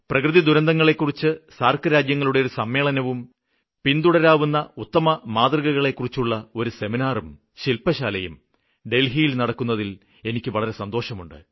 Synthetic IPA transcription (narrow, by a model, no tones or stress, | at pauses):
prɐkrɨðid̪uɾɐnd̪ɐŋːɐɭe̞kːurit͡ɕːɨsaːrkɐɾaːd͡ʑjɐŋːɐɭuɽeoɾusɐmːe̞ːɭɐnɐʋum | pind̪uɽɐɾaːʋunːɐut̪ːɐmɐmaːd̪riɣɐɣɐɭe̞kːurit͡ɕːuɭːɐo̞ɾuse̞minaːrum | ɕilpɐɕaːlɐjum | ɖe̞lɦijilnɐɽɐkːunːɐðil | e̞nikʲːɨʋɐɭɐɾe̞sɐnd̪o̞ːʂɐmuɳɖɨ̰